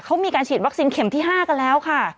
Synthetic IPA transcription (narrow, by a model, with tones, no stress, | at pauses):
kʰa˦˥wmiː˧kaː˧nt͡ɕʰiː˨˩t̪̚wa˦˥k̚siː˧nkʰe˨˩˦mt̪ʰiː˥˩ɦaː˥˩ka˧nlɛː˦˥wkʰa˥˩